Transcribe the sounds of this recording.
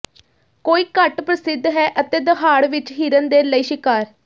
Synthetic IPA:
koːiːkəʈpɾəsɪd̪ɦɛːʔət̪eːd̪əɦaːɽʋɪt͡ʃɦiːɾənd̪eːləiːʃɪkaːɾ

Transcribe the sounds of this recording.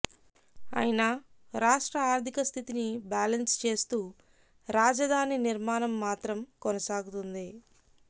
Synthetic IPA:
a̰ːjnɐɾaːʂʈɾɐaːɾt̪ikɐst̪ʰit̪inibaːlɐnst͡ʃe̞ːst̪uː | ɾaːd͡ʒɐd̪ʱaːniniɾmaːnɐmːaːt̪ɾɐmkɔnɐsaːɡut̪und̪i

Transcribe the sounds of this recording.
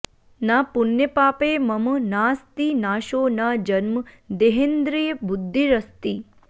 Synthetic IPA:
napʊnjəpaːpeməmnaːst̪inaːʃoːnad͡ʒənməd̪eɦend̪ɾijəbʊd̪ʱːiɾəst̪i

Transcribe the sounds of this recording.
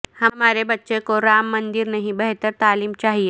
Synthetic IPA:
hɐmaːɾebɐtːʃekoɾaːmːənd̪iɾnɐɦĩbəɦt̪əɾt̪aːliːmt͡ʃaːɦie

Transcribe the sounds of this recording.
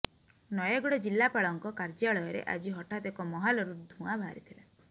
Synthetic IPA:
nɔjeɡɔɽɔd͡ʒilːapaɭɔŋkɔkaɾd͡ʒaɭɔjɔɾḛʔa̰d͡ʒiɦɔʈat̪ekɔmɔɦalɔɾud̪ʱũabʱaɾit̪ʰila

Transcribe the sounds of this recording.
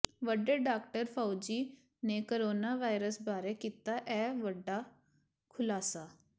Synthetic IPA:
ʋəɖeːɖaːkʈəɾpʰawd͡ʒiː | neːkoɾoːnaːʋaːɪɾəsbaːɾeːkiːt̪aːʔɛːʋəɖːaː | kʰʊlaːsaː

